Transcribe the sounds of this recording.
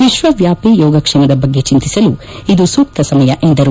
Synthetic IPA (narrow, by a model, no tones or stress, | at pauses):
ʋiʃʋɐʋjaːpijɔːɡɐkʂɛmɐd̪ɐbɐɡːe̞t͡ʃint̪isɐlu | id̪usuːk̚t̪ɐsɐmɐjɐʔend̪ɐɾu